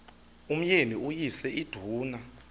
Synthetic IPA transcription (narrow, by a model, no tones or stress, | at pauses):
um̩jeniujisɛʔid̥ʱuːna